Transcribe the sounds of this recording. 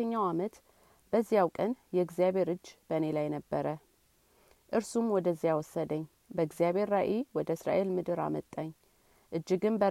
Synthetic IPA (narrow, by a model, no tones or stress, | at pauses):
əɲːawamət̪ | b̥əzːijawkʼənjɛɨɡzijaβe̞ɾɨd͡ʒːb̥əne̞lajnəbːəɾə | ʔɨɾsumwɔd̪əzːijawɔsːəd̪əɲː | bəɨɡzijaβe̞ɾːaʔewɔd̪əɨsɾa̰ʔe̞lmɨd̪ɨɾa̰mət̪ʼːaɲː | ʔɨd͡ʒːɪɡɨnbə